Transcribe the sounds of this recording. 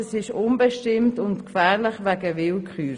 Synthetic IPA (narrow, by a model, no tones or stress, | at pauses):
əsɪʃʊnbɛʃtɪmtʊntkfæːɾlɪχʋɛɡəvɪlkχyː